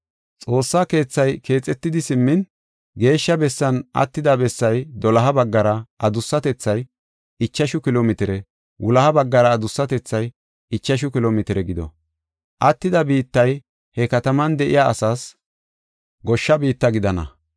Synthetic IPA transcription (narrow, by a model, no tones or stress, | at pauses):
t͡sʼo̞ːsːake̞ːt͡sːɐjkʰe̞ːt͡sʼːɛt̪ːɪd̪ɪsɪmːɪn | ɡe̞ːʃːɐbɛsːɐnɐ̰t̪ːɪd̪ɐbɛsːɐjd̪ɔlɐɦɐbɐɡːɐɾɐʔɐd̪ʊsːɐt̪ɛt͡sːɐj | ɪt͡ʃːɐʃʊkɪloːmɪt̪ɪɾɛ | wʔʊlɐhɐbɐɡːɐɾɐːd̪ʊsːɐt̪ɛt͡sːɐj | ɪt͡ʃːɐʃ̬ʊkɪloːmɪt̪ɪɾɛɡɪd̪ɔ̰ | ʔɐt̪ːɪd̪ɐbiːt̪ːɐj | hɛkɐt̪ɐmɐnd̪ɛʔɪ̰jaʔɐsaːs | ɡɔʃːɐbiːt̪ːɐɡɪd̪ɐnɐ̰